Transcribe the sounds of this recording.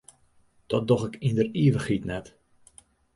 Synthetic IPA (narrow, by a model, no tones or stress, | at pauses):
d̥ɔt̚dɔxɪkindəriəʋəxitnɛt